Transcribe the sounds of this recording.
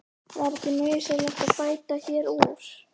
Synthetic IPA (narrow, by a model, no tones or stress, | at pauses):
vaɾɛcɪmœɥjsɛlɛxt̪aðpaːjt̪açɛɾuɾ̥